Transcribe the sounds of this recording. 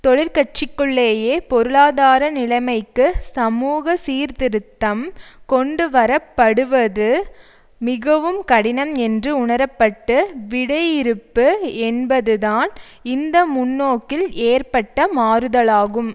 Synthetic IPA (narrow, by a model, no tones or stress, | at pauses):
t̪ɔɭɪɾkɐʈ̚t͡ʃɪkːɯɭːeːjeːpɔɾɯɭaːðaːɾɐnɪlɐɪmɐɪkːɯsɐmuːɣɐsiːɾt̪ɪɾɯt̪ːɐmkɔɳɖɯʋɐɾɐpːɐɽɯʋɐðɯ | mɪɣɐʋɯmkɐɽɪnɐmɛndrɯʊɳɐɾɐpːɐʈːɯʋɪɽɐjɪɾɯpːɯɛnbɐðɯðaːn | ɪnd̪ɐmʊnːoːkːɪleːrpɐʈːɐmaːɾɯðɐɭaːɣɯm